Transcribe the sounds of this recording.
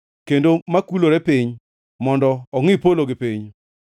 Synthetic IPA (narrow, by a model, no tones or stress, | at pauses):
kendomakuloɾɛpiɲ | mɔndɔɔŋɪpoloɡɪpiɲ